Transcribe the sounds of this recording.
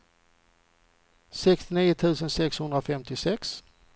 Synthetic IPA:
sɛkst̪ɪniːʊt̪ʰʉ̟ːsənsɛkshɵnd̪ɾafɛmt̪ɪsɛks

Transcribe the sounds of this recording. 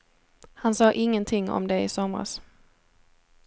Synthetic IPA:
hansɑːʔɪŋːənt̪ʰɪŋːɔ̰md̪ɛɪsɔmɾa̰s

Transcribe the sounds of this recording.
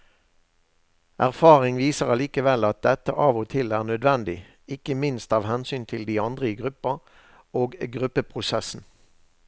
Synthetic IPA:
ʔæʁfɑːʁɪŋʋiːsəʁɑliːkəʋɛlɑt̪̚d̪ɛt̪əʔɑːʋot̪ʰɪlæːʁnœd̪ʋɛnd̪ɪ | ɪkəmɪnst̪ɑːʋhɛnsyːnt̪ʰɪld̪iːɑnd̪ʁəiːɡʁʉpəʁ | oːɡɡʁʉpəpʰʁʊsɛsn̩

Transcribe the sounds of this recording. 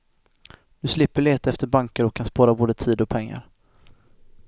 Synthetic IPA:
d̪̥ɵslɪpːəɭeːt̪aɛft̪əɾbaŋkəɾɔkʰːanspɑːɾaboːd̪ət̪ʰiːd̪ɔpʰɛŋːa̰ɾ

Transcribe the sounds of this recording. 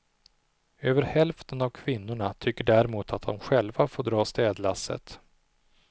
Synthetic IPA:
øːvəɾhɛlft̪ənavkʰvɪnːʊɳat̪ʰʏkːəɖæɾɛmuːt̪ʰat̪̚d̪ɔmɧɛlvafoːɖɾɑːst̪ɛːd̪lasːə̰t̪

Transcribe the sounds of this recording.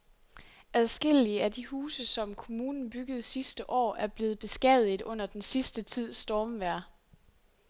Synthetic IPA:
æðˠsɡ̥e̝l̰iəæd̥ihuːsəsɒ̽mkʰo̝muːnn̩b̥yɡ̥əð̩ˠsisd̥əʔɒ̰ːæɐb̥le̝ːð̞̩ˠb̥e̝sɡ̥ɛðˠiðˠɔ̽n̰ɐd̥ensisd̥ət͡sʰið̞̰ˠsd̥ɒːmʋæɐ̰

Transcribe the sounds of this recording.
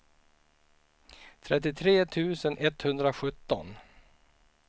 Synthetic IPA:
t̪ʰɾɛt̪̬ːɪt̪ʰɾeːt̪ʰʉ̟ːsənʔɛt̪hɵnd̪ɾaɧɵt̪ːɔ̰n

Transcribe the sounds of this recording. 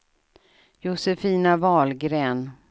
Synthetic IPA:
jʊsɛfiːnavɑːlɡɾeːn

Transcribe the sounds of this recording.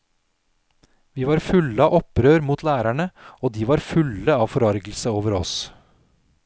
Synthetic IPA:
ʋiːʋɑːɾfʉləɑːʔɔpɾøːɾmuːt̪ʰlæːɾæɳəʔoːd̪iːʋɑːɾfʉləɑːʋfɔɾɑɾɡl̩səoːʋəɾɔ̰s

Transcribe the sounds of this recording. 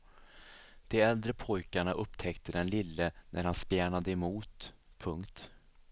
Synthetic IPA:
d̪̥ɛɛld̪ɾəpʰɔjkaɳaʔɵpːt̪ʰɛkt̪əd̪ɛnlɪlːənʔæɾhanspjæːɳad̪əɛmuːt̪pʰɵŋkt̪

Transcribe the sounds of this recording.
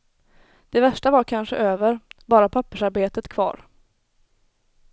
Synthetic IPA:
d̪̥ɛvæʂʈavaɾkʰanɧə̰ʔøːvəɾbɑːɾapʰapːəʂaɾbeːt̪ət̪kʰvɑ̰ːɾ

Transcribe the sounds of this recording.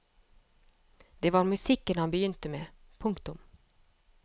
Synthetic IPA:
d̪̥eːʋɑːɾmʉsɪkənhɑnbəjʏnt̪əmeːpʰʊŋkt̪ʊm

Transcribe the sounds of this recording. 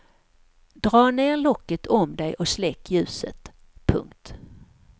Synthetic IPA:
d̪ɾɑːneːɾɭɔkːət̪ʰɔmd̪ɛjʔɔslɛkːjʉ̟ːsə̰t̪ | pʰɵ̰ŋkt̪

